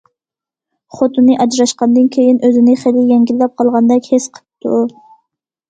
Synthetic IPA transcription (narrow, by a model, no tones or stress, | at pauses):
χot̪ɨnːɨʔɑd͡ʒɾɑʃqɑnd̪ɨnkʲʰejinʔøzɪnɪχelɪjɛŋɡʲilːɛp̚qʰɑlˠʁɑnd̪ɛkʲhesqʰə̥t̪ːu